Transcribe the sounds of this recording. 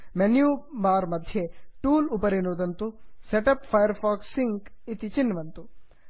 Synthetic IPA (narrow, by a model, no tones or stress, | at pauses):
menjuːbaːɾmɐd̪ʱjeʈuːlupɐɾenuːd̪ɐnt̪useʈɐpfʰɐjɐɾpʰaːksiŋkit̪it͡ʃinːʋɐnt̪u